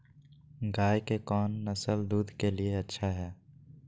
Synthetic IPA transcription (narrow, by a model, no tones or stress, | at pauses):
ɡaːjkekɔːnːəsəld̪uːd̪ʱkelieɐtːʃʰaɦɛː